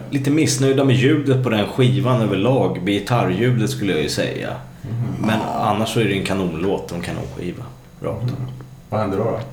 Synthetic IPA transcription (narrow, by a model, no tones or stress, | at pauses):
liːt̪əmɪsnœjd̪amɛjʉ̟ːd̪ət̪̚pʰɔd̪ɛnɧiːvanøːvəɭɑːɡbɪjɪt̪ʰaɾjʉ̟ːd̪ət̪skɵlːəjajɵsɛ̰jːa̰ | mɛna̰nːaʂsɔæɖɛːnkʰanuːnloːt̪̚d̪ɔmkʰanṵːnɧḭːva | ɾɑ̰ːk̚t̪ɔ | vahɛnd̪əɖɔɔ